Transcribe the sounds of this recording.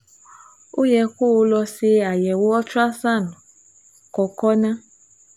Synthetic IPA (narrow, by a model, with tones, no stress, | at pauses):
o˦jɛ˧ko˦o˧lɔ˧se˧a˨jɛ˨wo˦ɔ˦t͡ʃu˦a˦sa˦˨nũ˨ | kɔ˨kɔ˦nã˦